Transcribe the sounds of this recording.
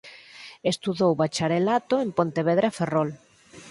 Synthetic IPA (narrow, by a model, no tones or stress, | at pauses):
est̪uðowβat͡ʃaɾelat̪oempont̪eβeðɾeaferol